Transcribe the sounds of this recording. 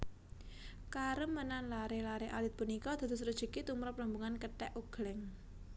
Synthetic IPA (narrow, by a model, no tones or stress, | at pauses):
kaɾəmːənanlaɾehlaɾeʔalɪt̪̚punikɔd̪̥a̤d̪ṳsɾud̥ʒ̥ə̤kit̪umɾɔpləmbuŋankəʈɛʔuɡ̥lɛŋ